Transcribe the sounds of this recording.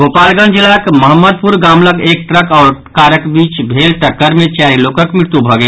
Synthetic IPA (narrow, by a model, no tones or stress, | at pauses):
ɡoːpaːlɡãnd͡ʒɪlaːkməɦəmːəd̪̚puɾɡaːmləkeːk̚ʈɾəkɔːɾkaːɾəkbiːt͡ʃbʱeːlʈɐkːəɾmẽt͡ʃaːɾiloːkəkmɪɽt̪ubʱɐɡə